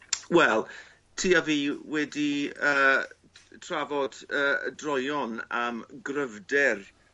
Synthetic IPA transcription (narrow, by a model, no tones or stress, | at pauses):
wɛlˠ | tʰiːaviːwɛdiəː | tʰr̥avɔd̥əːə̰drɔjɔnamɡrəvdɛr